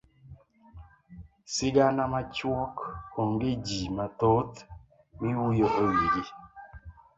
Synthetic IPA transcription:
siɡanamat͡ʃwɔkoŋɡid͡ʒimatot | miwujoɣewiɡi

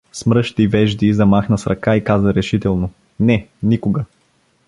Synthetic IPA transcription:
smɾɤʃt̪ivɛʒd̪izɐmaxnəsɾɐkaikazəɾɛʃit̪ɛlˠnʊ | nɛnikʊɡə

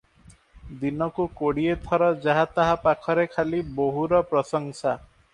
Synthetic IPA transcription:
d̪inɔkukoɽiet̪ʰɔɾɔd͡ʒaɦat̪aɦapakʰɔɾekʰaliboɦuɾɔpɾɔsɔŋsa

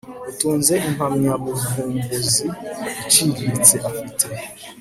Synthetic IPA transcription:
utuːnze̞imamɲaβuvuːmbuziit͡ʃiːɾiit͡seʔafitʰe

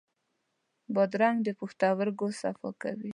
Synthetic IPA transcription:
bɑd̪ɾaŋɡd̪əpuxt̪awaɾɡosafɑ̰ka̰wi

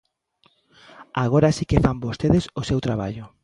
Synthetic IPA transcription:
aɣ̞oɾasikefambost̪eðesʊsewt̪ɾaβ̞a̰ʎʊ

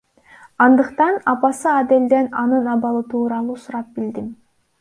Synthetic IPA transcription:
ɑnd̪ɯqt̪ɑnɑpɑsɯɑd̪eld̪enɑnɯnɑβɑlˠɯt̪ʰuːɾɑlˠuːsuɾɑp̚bild̪im

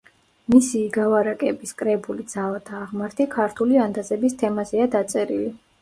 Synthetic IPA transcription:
misiːɡavaɾakʼɛbiskʼɾɛbulid̪z̥avat̪ʰaːʁmaɾt̪ʰikʰaɾt̪ʰuliand̪azɛbist̪ʰɛmazɛad̪at̪sʼɛɾili

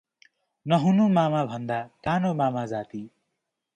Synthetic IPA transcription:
nʌɦunumamabʱʌnd̪ak̪anomamad͡zat̪i

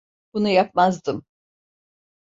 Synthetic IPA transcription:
b̥unujap̚mazd̪ɯm

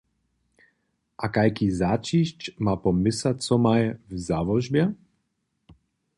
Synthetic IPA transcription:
ʔakajkizat͡ʃiːʃt͡ʃmapɔmɪsat͡sɔmajvzaːʋɔʒbjɛ

